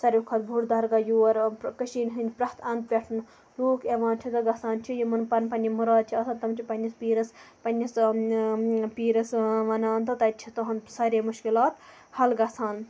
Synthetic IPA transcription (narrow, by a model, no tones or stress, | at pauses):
sɐɾʲukʰɐt̪bʱuɾd̪ɐɾɡɐjuːɐɾkɐʃiːnɦɨnʲpɾɐht̪ʰɐnd̪̚pʲeʈʰɨn | ɾuːkʰeʋaːnt͡ʃʰid̪ɐɡɐsaːnt͡ʃʰijimɐnpɐnpɐnʲimuɾaːd̪̚t͡ʃʰiɐsɐt̪ɐmt͡ʃʰipɐnʲːispiːɾɐspɐnʲːis | piːɾɐsʋɐnaːnt̪ɐt̪ɐt̪t͡ʃʰit̪oɦɐnsɐːɾʲemuʃkilaːt̪ | hɐlɡɐsaːn